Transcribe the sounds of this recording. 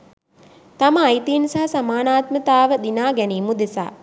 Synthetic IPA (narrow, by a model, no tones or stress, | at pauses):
t̪aməːjt̪iːnisaɦasamaːnaːt̪mət̪aːʋəd̪inaːɡɛniːmud̪esa̰ː